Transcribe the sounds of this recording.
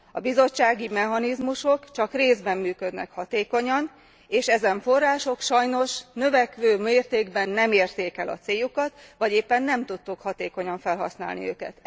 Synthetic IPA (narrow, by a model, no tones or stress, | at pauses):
ɒbizo̞t͡ʃːaːɡimɛɦɒnizmuʃo̞kt͡ʃɒkreːzbɛmːyːkø̞d̪nɛ̰khɒt̪eːko̞ɲɒn | eːʃɛzɛɱfo̞rːaːʃo̞kʃɒjno̞ʃnø̞vɛkʋøːmeːrt̪eːɡbɛnːɛmeːrt̪eːkɛlɒ̰t̪seːjukɒt̪ʋɒɟeːpːɛnːɛmt̪ut̪ːukhɒt̪eːko̞ɲɒɱfɛlɦɒ̰sna̰ːlnḭø̰ːkɛ̰t̪